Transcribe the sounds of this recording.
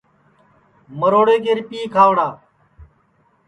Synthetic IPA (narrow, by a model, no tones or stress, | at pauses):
məɾoːɽeːkeɾpiːkʰaːʋɽaː